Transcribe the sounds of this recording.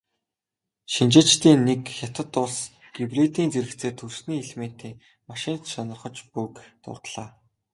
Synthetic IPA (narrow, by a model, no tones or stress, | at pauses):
ʃint͡ɕɪ̆t͡ɕt̪iːnːekxʲat̪ə̆t̪ːʊɮs | ɡ̥iwrit̪iːnt͡seɾɘ̆kt͡seːt̪ʰɵrsniːiɮmen̥t̪ʰeː | maʃɪ̆nt̪sɔnɞ̆rχɞ̆t͡ɕpukt̪ʊ̰rt̪ɮ̥aː